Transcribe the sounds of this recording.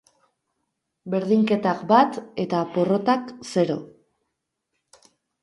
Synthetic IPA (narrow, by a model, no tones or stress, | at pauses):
be̞ɾðiŋke̞t̪akbat̪e̞t̪apo̞ro̞t̪akse̞ɾo̞̰